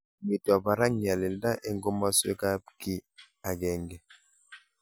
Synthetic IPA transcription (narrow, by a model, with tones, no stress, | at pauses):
mi˨twa˨ba˨ɾa˦ŋ˨a˨lɛ˨lda˦ʔɛ˨ŋɡo˦ma˦swe˦ka˦ki˦ | a˨ɡɛ˦˨ŋɡɛ˨